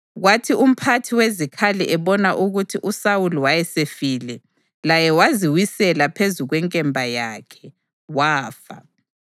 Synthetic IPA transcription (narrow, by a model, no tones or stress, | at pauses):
ɣwatʰium̩pʰatʰiwezikʰaliʔɛβɔnaʔuɣutʰiʔusawuluwajɛsefiːlɛ | lajɛwaziwisɛlapʰezuɣwɛŋkʼɛmbʱajakʰɛ̥ | waːfa̰